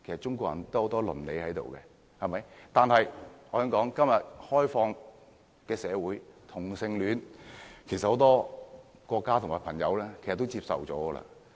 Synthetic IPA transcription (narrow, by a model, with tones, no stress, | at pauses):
kʰe˨˩sɐ˨˩t͡ʃʊ˥ŋkʷɔː˧kjɐ̰˨˩nt̪ːho˨˧˥t̪ɔː˥lɵ̰˨˩nlḛ˨˧jhɐ˨˥jt̪o̰˨wkɛ˧ | hɐ˨˩mɐ˨˥jt̪aː˨nhɐ˨jɔː˨˧˥smkɔː˨˥ŋkɐ˥mjɐ˨t̚hɔː˥jfɔː˧ŋ | kɛː˧sɛː˨˧wuː˨˥jt̪ʰʊ˨˩ŋsɪ˧ŋlyː˨˧nkʰe˨˩jsɐt̚ho˨˧˥t̪ɔː˥ | kɔː˧kːaː˥ʊ˨˩ŋmaː˨˩jpʰɐ˨˩ŋjɐ̰˨˧wlɛː˥kʰe˨˩sɐ˨t̪ːo˥wt͡siː˧p̚sɐ̰˨wt͡sɔː˨˥ɡɔ˧lɐ̰˧